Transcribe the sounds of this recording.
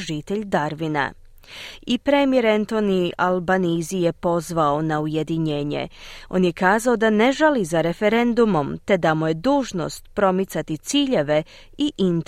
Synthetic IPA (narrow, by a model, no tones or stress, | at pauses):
ʒit̪eʎd̪aɾʋina̰ | ipɾemijeɾent̪o̞nialbanizije̞po̞zʋao̞nauje̞d̪iɲe̞ːɲe̞̰o̞̰ːnje̞kaːzao̞d̪ane̞ʒalizaɾe̞fe̞ɾe̞nd̪umo̞mt̪e̞d̪amuje̞d̪uːʒno̞̰st̪pɾo̞mit̪sat̪it̪siːʎe̞ʋe̞ | iʔint̪